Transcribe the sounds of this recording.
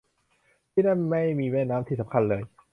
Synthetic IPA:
t̪ʰiː˥˩daː˥˩ma˥˩jmiː˧mɛː˥˩nnːaː˦˥mt̪ʰiː˥˩sa˩˦ŋkʰa˧nlɤː˧j

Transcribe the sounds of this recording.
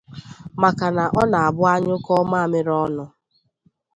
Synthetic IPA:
ma˨ka˨na˨ʔɔ˦na˨a˨bʊ˦a˦ɲʊ˦kɔ˦ma˦a˨mɪ˦ɾɔ˦nʊ˦

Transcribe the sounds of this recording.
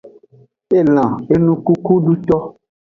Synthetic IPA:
e˦l̃ã˨e˦nũ˦ku˦ku˦ɖu˦t̪ɔ˦

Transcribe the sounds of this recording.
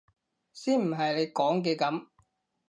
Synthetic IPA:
siː˥nm̩˨˩ɦɐ˨jle˨˧jkɔː˨˥ŋkɛː˧kɐ˨˥m

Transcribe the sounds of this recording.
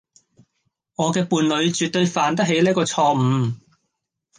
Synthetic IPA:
ŋɔː˨˧kɛː˧puː˨˧nlɵ˨˧ɥt͡ʃyː˨t̪ːɵ˧ɥfaː˨nt̪̬ɐ˥k̚ɦe˨˥jliː˥kɔː˧t͡sʰɔː˧m̩˨˧

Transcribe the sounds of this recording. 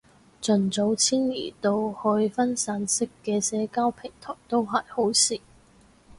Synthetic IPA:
t͡sɵ˨˩nt͡so˨˧˥wt͡sʰiː˥nlḭː˨˩t̪o˧whɵ˧ɥfɐ˥nsaː˨˥nsɪ˥kːɛː˧sɛː˨˥kaː˥wpʰɪ˨˩ŋt̪ʰɔː˨˩jt̪o˥wɦa˨˩jho˨˥wsiː˨˩

